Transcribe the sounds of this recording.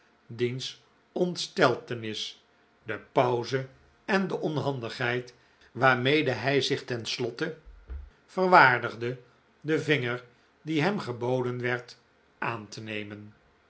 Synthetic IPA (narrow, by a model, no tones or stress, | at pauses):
dins | ɔntstɛlˠtənɪs | dəpɑwzə | ɛndəʔɔnɦɑndəχɦɛjt | ʋaːɹmejdəɦɛjzɪχtɛnslɔtə | v̥ərʋaːɹdəχdə | dəvɪŋəɹ | diɦɛmχəbowdənʋɛɹt | ʔaːntənejmən